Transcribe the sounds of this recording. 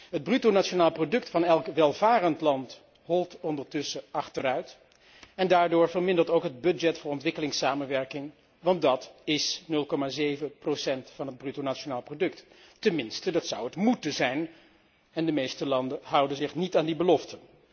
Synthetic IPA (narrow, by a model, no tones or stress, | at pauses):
ɦəd̚brytownat͡ʃonaːlˠprodɵktfɑnɛlˠkʋɛlˠvaːrəntlɑnt | ɦɔlˠtɔndəɹtɵsəʔɑχtərœɥt | ɛndaːɹdʊːɹvəɹmɪndəɹtowkɦəd̚bɵd͡ʒɛtfʊːɹɔntʋɪkəlɪŋsaːmənʋɛɹkɪŋ | ʋɑnddɑtɪsnɵlˠkɔmaːzejvəprowsɛntfɑnɦəd̚brytonat͡ʃonaːlˠprodɵktː | ɛnmɪnstədɑtsʌwətmutəzɛjn | ɛndəmejstəlɑndəɦʌwdənzɪχnitaːndibəlɔftən